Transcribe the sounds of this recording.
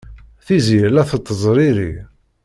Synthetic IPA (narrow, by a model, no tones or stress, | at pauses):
θizjəlæθət̪ˤːəzˤɾiɾḭ